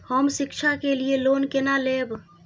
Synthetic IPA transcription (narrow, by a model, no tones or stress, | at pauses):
həmsɪkt͡ʃʰakelielonkenaleb